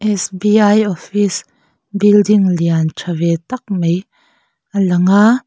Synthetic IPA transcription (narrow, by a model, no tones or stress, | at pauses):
ʔɛsbiɐjɔfis | bildiŋliant͡ʃʰɐvɛt̪ɐk̚mej | ʔɐlɐŋaː